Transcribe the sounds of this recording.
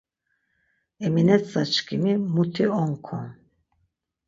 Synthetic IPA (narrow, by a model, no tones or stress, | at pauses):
ɛminɛt̪sat͡ʃkʰimimut̪ʰiɔŋkʰɔ̰n